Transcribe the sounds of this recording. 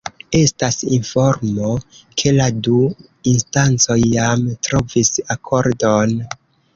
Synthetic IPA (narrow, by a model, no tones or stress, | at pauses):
e̞stasinfo̞ɾmo̞kʰe̞ladu | instant͡so̞jːamtɾo̞visakʰo̞ɾdon